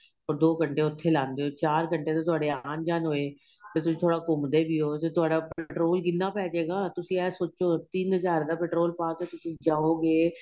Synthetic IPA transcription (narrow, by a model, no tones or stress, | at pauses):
ɔːɾd̪oːkəɳʈeːʊt̪ʰːeːlãːnd̪eːɦoːt͡ʃaːɾkəɳʈeːt̪ãːt̪̬ʊaːɖeːaːnd͡ʒaːnɦoːeː | t̪eːt̪ʊsĩːt̪ʰoːɽaːkʊmd̪eːbiːɦoːt̪eːt̪ʊaːɖaːpɛʈɾoːlkɪnːaːpɛːd͡ʒeːɡaːt̪ʊsĩːɛːsoːt͡ʃoːt̪iːnɦəzaːɾd̪aːpɛːʈɾoːlpaːkeːt̪ʊsĩːd͡ʒaːoːɡeː